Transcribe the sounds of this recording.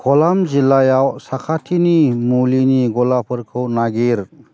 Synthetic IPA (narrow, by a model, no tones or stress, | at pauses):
kʰɔlamzilajawsakʰatʰinimuliniɡɔlapʰɯɾkʰɯwnaɡiɾ